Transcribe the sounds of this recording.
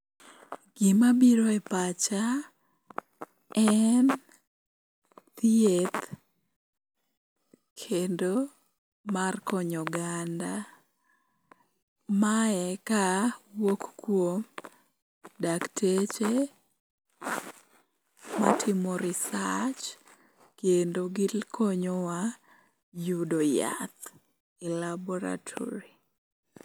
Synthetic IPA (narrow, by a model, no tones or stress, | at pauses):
ɡ̥ɪmabiɾoɛpat͡ʃa | ɛn | t̪iet̪ | kʰendo | markɔɲɔɡanda | maɛkawokkwom | daktʰet͡ʃe | matʰɪmɔɾɪsat͡ʃ | kjendoɡɪlkʰoɲɔwa | judoja̰t̪ | ɪlabɔɾa̰tʰɔ̰ɾi